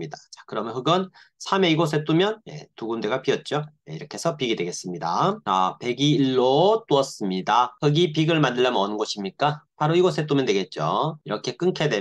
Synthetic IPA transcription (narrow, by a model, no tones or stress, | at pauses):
idat͡ɕḁkɯɾʌmjʌnɦɯɡʌnsʰame̞iɡos̬ʰe̞t͈umjʌnje̞̰tuɡunde̞ɡap͈iʌt̚t͡ɕ͈ojḛiɾʌkʰe̞sʰʌpiɡidwe̞ɡe̞s͈ɯmɲida̰a̰pe̞ɡiːɭːot͈oʌs͈ɯmɲidakʌɡipiɡɯɭmandɯɭːamʌnɯnɡʌɕʰimɲik͈apaɾoiɡos̬ʰet͈umjʌndweɡe̞t̚t͡ɕ͈oiɾʌkʰe̞k͈ɯŋkʰe̞dwe